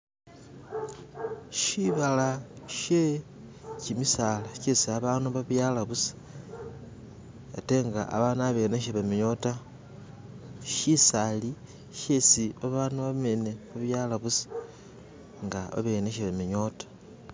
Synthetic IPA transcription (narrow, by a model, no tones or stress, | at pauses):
ʃiβalaʃe | cimisalaʃesiaβaːnuβaβjalaβusi̥ | eteŋɡaʔa̰βanaβeneʃeβemiɲo̞ta | ʃisali | ʃesiaβaːnuβameneβaβjaːlaβusi̥ | ŋɡaa̰βeneʃeβemiɲo̞tḁ